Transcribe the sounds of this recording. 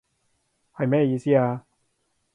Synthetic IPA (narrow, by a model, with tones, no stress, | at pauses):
hɐ˨jmɛː˥˧jiː˧siː˥aː˧